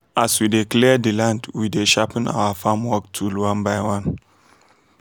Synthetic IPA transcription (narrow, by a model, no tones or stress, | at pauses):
aswideklɛdilãndwideʃapina̰wafamwɔk̚tʰulwãnbajwãn